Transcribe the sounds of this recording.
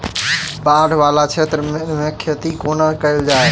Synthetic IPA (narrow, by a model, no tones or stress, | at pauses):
paːɖʱʋaːlat͡ʃʰeːt̪ɾəmmẽkʰet̪ikoːnakəɪld͡ʒaːe